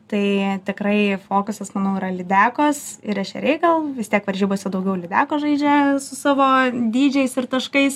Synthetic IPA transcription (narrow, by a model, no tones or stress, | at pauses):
t̪ɐɪt̪ʲɪkɾɐɪfoːkʊsɐsmɐnɐʊiɾɐlʲɪd̪ʲæːkoːsɪɾɛʃʲɛ̰ɾʲɛɪkɐlˠʋʲɪst̪ʲiɛkʋɐrʲʒʲiːbosʲʊd̪ɐʊɡʲɛʊlʲɪd̪ʲæːkoːʒɐɪd͡ʒʲɛsʊsɑːʋoːd̪ʲiːd͡ʒʲɛɪsɪɾt̪ɐʃkɐɪs